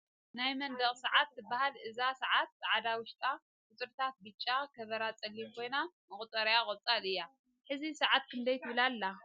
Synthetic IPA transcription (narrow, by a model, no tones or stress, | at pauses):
najmɐnd̪ɐɣʼsɐʕat̪bahalʔɨzasɐʕat̪̚zʕad̪awʊʃt̪ʼa | kʼʊt͡sʼɨɾt̪ʰat̪̚bɨt͡ʃʼːakʰɐβɐɾat͡sʼɐlːimkʰo̞jnamɨkʼʊt͡s̪ʼɐɾjakʼɐβt͡sʼalɨjːa | ħɨzisɐʕat̪̚kʰɨnd̪ɐjt̪ʰɨβɨlalːa